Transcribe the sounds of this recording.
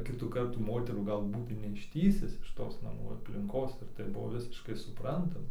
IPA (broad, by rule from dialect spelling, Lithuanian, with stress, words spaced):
ˈkʲɪtuː ˈkɐrtuː ˈmoːtʲɛruː ˈɡɐlˠ ˈbuːtɐɪ nʲɛɪʃʲˈtʲiːsʲɪs ɪʃ ˈtoːs nɐˈmuː ɐpʲlʲɪŋˈkoːs ɪr tɐɪ ˈbʊʋoː ˈʋʲɪsʲɪʃkɐɪ sʊˈprɐntɐmɐ